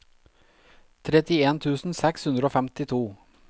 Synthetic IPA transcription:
t̪ʰɾɛt̪ɪeːnt̪ʰʉːsn̩sɛkshʉnd̪ɾəoːfɛmt̪ɪt̪ʰuː

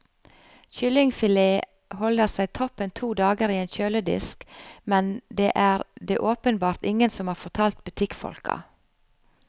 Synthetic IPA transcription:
çʏlɪŋfɪleː | hɔləsæɪt̪ʰɔpːənt̪ʰuːd̪ɑːɡəɾiːeːnçøːləd̪ɪ̰skmɛnd̪eːʔæːɾd̪eːʔoːpənbɑːɾt̪ɪŋənsɔmhɑːɾfɔʁt̪ʰɑːlt̪̚bʉt̪ʰɪkfɔ̰lkɑ̰

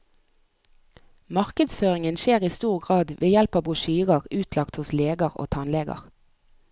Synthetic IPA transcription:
mɑʁkəd̪sføːʁɪŋənʃeːʁiːst̪uːʁɡʁɑːd̪ʋʔeːjɛlpɑːbʁʊʃyːʁəʁʉːt̪ʰlɑkt̪hʊsleːɡəʁo̰ːt̪ʰɑnleːɡə̰ʁ

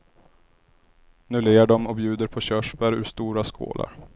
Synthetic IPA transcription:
nʉleːaɖɔmɔbjʉ̟ːd̪əɾpʰɔɕœʂbæɾʉ̟ːʂt̪uːɾaskʰo̰ːlʔa̰ɾ

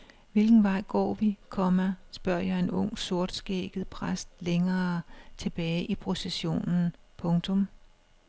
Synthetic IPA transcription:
ʋe̝lɡ̥n̩ʋɑ̈ɪ̰ɡ̥ɒ̰ːʋikʰɒ̽mæsb̥ɶɐ̰jɑ̈ɪe̝nɔ̽ŋ̰so̝ɐd̥sɡ̥ḛːɡ̥ð̩ˠpʰʁasd̥leŋɐːt͡sʰe̝b̥ɛːɪʔipʰʁo̝seɕo̝̰ːnn̩pʰɔ̽ŋt͡sʰɔ̽m

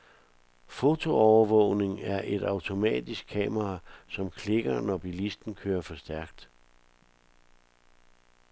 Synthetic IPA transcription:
fo̝t͡sʰo̝ɒʊɐʋɔ̰ʊ̰ne̝ŋæɐʔe̝d̥ɑ̈ʊt͡sʰo̝mɛ̰ːd̥isɡ̥̚kʰɛ̰ːmɐʁɑ̈sɒ̽mkʰle̝ɡ̥ɐnɒb̥ilisd̥n̩kʰøːɐfɒ̽sd̥æɐɡ̥̚d̥

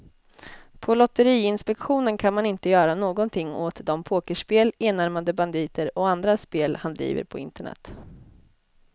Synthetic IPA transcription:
pʰɔlɔt̪ːəɾiːɪnspɛkɧuːnənkʰanmanɪnt̪əjœːɾanoːɡɔnt̪ʰɪŋːɔt̪d̪ɔmpʰoːkəʂpeːleːnaɾmad̪əband̪iːt̪əɾɔand̪ɾaspeːlhand̪ɾḭːvə̰ɾpʰɔɪ̰nt̪əɳɛ̰t̪ː

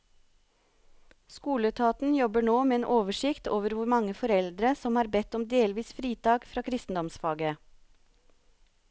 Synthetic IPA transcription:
skuːlət̪ʰɑːt̪n̩jɔbəɳoːmeːeːnʔoːʋəʃɪkt̪oːʋəɾʋʊɾmɑŋəfɔɾɛld̪ɾəsɔmhɑːɾbɛt̪ɔmd̪eːlʋiːsfɾiːt̪ɑːɡfɾɑːkʰɾɪst̪n̩d̪ɔmsfɑːɡə

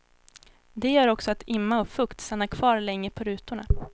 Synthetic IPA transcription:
d̪ɛjœːɾɔksɔat̪ʰɪmːaɔfɵkt̪st̪anːakʰv̥ɑːɾlɛŋːəpʰɔɾʉ̟ːt̪ʊɳa

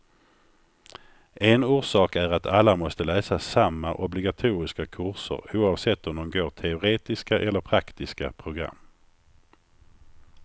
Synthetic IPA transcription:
ɛnuːʂɑːkæɾat̪ʰalːamɔst̪əlɛːsasamːaʔɔblɪɡat̪ʰuːɾɪskakʰɵɾʂə̰ɾuːɑvsɛt̪ːɔmd̪ɔmɡoːʈ̪ʰɛʊɾeːt̪ɪskaʔɛlːəɾpʰɾakt̪ɪska̰pʰɾʊɡɾa̰mː

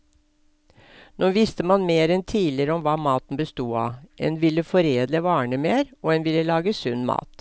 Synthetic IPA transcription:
noːʋɪst̪əmɑnmeːɾɛnt̪ʰiːlɪəɾəɔmʋɑːmɑːt̪n̩bəst̪uːɑ̰ːʔeːnʋɪlːəfɔɾeːd̪ləʋɑːɳəmeːɾoːeːnʋɪlːəlɑːɡəsʉnːmɑ̰ːt̪

